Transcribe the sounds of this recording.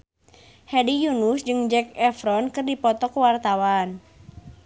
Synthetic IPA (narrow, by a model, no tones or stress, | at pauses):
hɛdijunusd͡ʒɨŋd͡ʒɛkɛfɾɔnkɨrdipɔt̪ɔkwart̪awan